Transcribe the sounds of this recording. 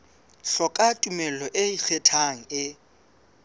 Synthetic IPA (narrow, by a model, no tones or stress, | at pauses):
ɬɔkʼatʼumɛlɔʔeik͡xʰɛtʰaŋ̩ɪ